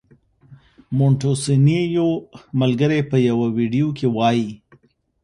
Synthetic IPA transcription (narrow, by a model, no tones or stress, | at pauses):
moɳʈosinejoməlɡəɾepəjawawiɖijokʰewɑji